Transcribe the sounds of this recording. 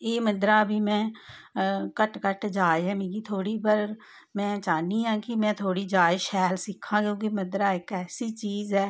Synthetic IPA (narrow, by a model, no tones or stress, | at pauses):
eːməd̪ɾaːbʱiːmɛ̃ː | kəʈkəʈd͡ʒaːeɦɛːmiːɡit̪ʰoːɽiːbəɾ | mɛ̃ːt͡ʃaːniɦãːkimɛ̃ːt̪ʰoːɽiːd͡ʒaːɪʃɛːlsɪkʰːãːkjõːk̬iməd̪ɾaːekɛːsiːt͡ʃiːzɦɛː